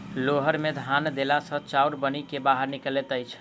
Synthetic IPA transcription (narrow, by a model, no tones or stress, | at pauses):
loɦəɾmed̪ʱand̪elasə̃t͡ʃawɾbənikebaɦəɾnikəlet̪əjt͡ʃʰ